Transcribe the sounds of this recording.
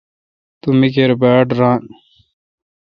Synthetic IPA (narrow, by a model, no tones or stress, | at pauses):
t̪umik̬eɾbaːʈɾaːn